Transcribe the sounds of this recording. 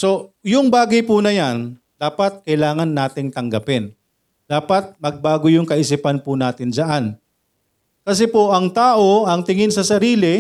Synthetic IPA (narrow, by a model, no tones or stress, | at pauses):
so̞jʊŋbaːɡɐjpunɐjan | d̪̥aːpɐt̪̚kɐjlaːŋɐnːaːt̪ɪŋt̪ɐŋɡɐpɛn | d̪̥aːpɐt̪̚mɐɡ̚baːɡojʊŋkɐʔɪs̬ipɐnpʊnaːt̪ɪnd͡ʒɐʔan | kɐs̬ɛpoʔɐŋt̪aːʔo̞ɐŋt̪ɪŋɪnsɐsɐɾiːlɪ